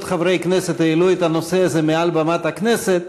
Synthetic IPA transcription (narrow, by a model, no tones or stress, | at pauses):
t̪χavɾejkneset̪ailuet̪anoseazemealbamat̪hakneset̪